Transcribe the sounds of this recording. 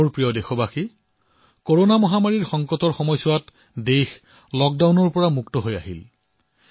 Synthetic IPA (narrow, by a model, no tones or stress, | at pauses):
oɹpɹijɔdexɔbaxi | koɹonamɔɦamaɹiɹxɔŋkɔtɔɹxɔmɔjsʊwat | dex | lɔk̚dawnɔɹpɔɹamuktɔɦojaɦil